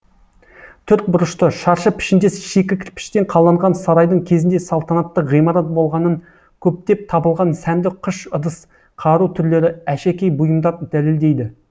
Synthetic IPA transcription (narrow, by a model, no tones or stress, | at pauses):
t̪ʰʏɾt̪̚bʊɾəʃt̪əʃɑɾʃəpʰɪ̥ʃɪnd̪e̞sʃekʲɪkʲʰɪɾpʰɪ̥ʃt̪e̞ɴqʰɑlˠːɑɴʁɑnsɑɾɑjd̪əɴkʲʰe̞zɪnd̪esɑlˠt̪ɑnɑt̪ːəʁijmɑɾɑt̪̚bo̞lˠʁɑnəŋ | kʲʰɵp̚t̪e̞p̚t̪ʰɑbəlˠʁɑnsæmd̪ɪqʰʊʃʊd̪əs | qʰɑɾut̪ʰʏɾle̞ɾɪæʃekʲe̞jbʊjəmd̪ɑɾd̪æle̞ld̪e̞jd̪ɪ